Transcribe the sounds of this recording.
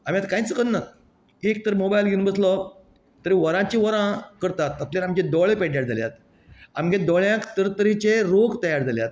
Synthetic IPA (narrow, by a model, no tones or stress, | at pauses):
am̤ijat̪kãĩt͡səkənːat̪ | ek̚t̪əɾmobajlɡʱiũnbət͡slɔ | t̪əɾiʋəɾãt͡ɕiʋəɾãkəɾt̪at̪ːat̪ljaɾamd͡ʑẽd̪ɔɭepeɖjaɾd͡zaljat̪ | amɡẽd̪ɔɭjãkt̪əɾt̪əɾit͡ɕeɾoɡt̪əjaɾd͡zaljat̪̚